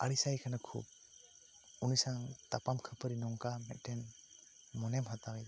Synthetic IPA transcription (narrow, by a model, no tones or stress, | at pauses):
a̰ɽisajkʰanakʰṵb̚ | unisaŋt̪apamkʰəpʰəɾinɔŋkamɛt̪̚ˀʈɛn | mɔnɛmɦat̪awi